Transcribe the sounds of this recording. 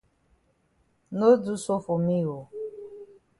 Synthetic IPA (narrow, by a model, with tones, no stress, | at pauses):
no˦du˦so˦fo˨mi˦o˨